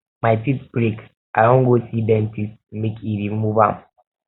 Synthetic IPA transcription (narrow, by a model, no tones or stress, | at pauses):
majtitbɾik | ʔadõnɡosidɛ̃ntistmekʰiɾimmubã̰m